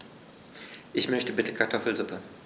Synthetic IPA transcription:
ʔɪçmœçtəbɪtəkʰaɐtʰɔfl̩zʊpə

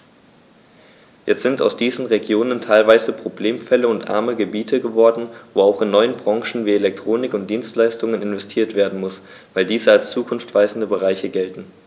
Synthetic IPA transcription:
jɛtz̥ɪnta̰ʊsd̥iːzn̩ʁeɡjoːnəntʰaɪlvaɪzəpʁ̥obleːmfɛləʊntʔa̰ɐməɡəbiːtʰəɡəvɔɐdn̩voːaʊxɪnːɔʏənbʁɑ̃ŋʃn̩viːelɛk̚tʁ̥oːnɪkʊnt̚d̥iːnstlaɪstʊŋənɪnvɛstʰiːɐtv̥eːɐdn̩mʊs | v̥aɪldiːzəalst͡suːkʰʊnftv̥aɪzn̩dəbəʁ̞aɪçəɡɛltn̩

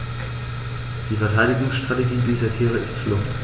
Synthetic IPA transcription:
d̥iːfɛɐtʰaɪɾɪɡʊŋsʃtʁ̥ateɡiːdiːzɐtʰiːʁ̞əɪstflʊχt

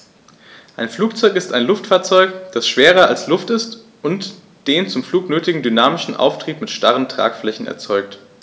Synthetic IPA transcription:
ʔaɪnfluːk̚t͡sɔʏkɪstaɪnlʊftfaːɐt͡sɔʏkd̥asʃv̥eːʁɐalslʊftɪst | ʔʊnt | d̥eːnt͡sʊmfluːknøːtɪɡŋ̩dynaːmɪʃn̩ʔa̰ʊftʁ̥iːpmɪtʃtaʁəntʁ̥a̰ːkflɛçn̩ɛ̰ɐt͡sɔʏk̚t

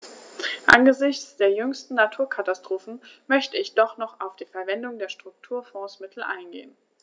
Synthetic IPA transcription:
ʔanɡəzɪçt͡sd̥eːɐjʏŋstn̩natʰuːɐkʰatastʁ̥oːfn̩mœçtəɪçd̥ɔχnɔχaʊfd̥iːfɛɐvɛndʊŋdeːɐʃtʁ̥ʊk̚tʰuːɐfɔ̃ːsmɪtʰl̩ʔa̰ɪnɡḛːən

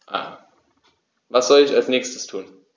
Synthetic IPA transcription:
ʔa̰ː | vasz̥ɔlɪçalsnɛːçstə̥stʰuːn

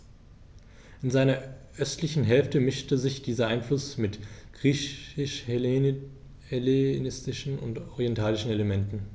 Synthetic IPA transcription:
ʔɪnzaɪnɐʔœstlɪçn̩ɦɛlftəmɪʃtəzɪçd̥iːzɐʔaɪnflʊsmɪtɡ̥ʁiːçɪʃh | helenɪstɪʃn̩ʊ̰ntɔʁiɛntʰaːlɪʃn̩eləmɛntn̩

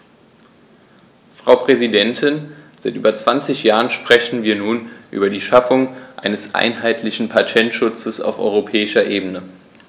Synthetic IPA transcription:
fʁ̥aʊpʁ̥ɛzidɛntʰɪnz̥aɪtʔyːbɐt͡sv̥ant͡sɪçjaːʁənʃpʁ̥ɛçn̩viːɐnuːnʔy̰ːbɐdiːʃafʊŋʔa̰ɪnəsʔa̰ɪnɦaɪtʰlɪçn̩pʰatʰɛntʃʊt͡səsa̰ʊfʔɔ̰ʏʁopʰɛːɪʃɐʔeːbənə

